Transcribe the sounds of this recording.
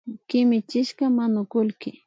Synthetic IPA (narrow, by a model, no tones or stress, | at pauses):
kɪmɪt͡ʃɪʃkamanʊkʊlkɪ